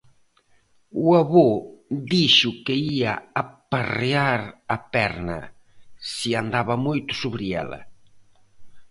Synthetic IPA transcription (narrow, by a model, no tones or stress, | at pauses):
uaβoðiʃʊkeia̰apareaɾapɛɾnɐ̰ | siand̪aβɐmojt̪ʊ̥suβɾiɛ̰lɐ̰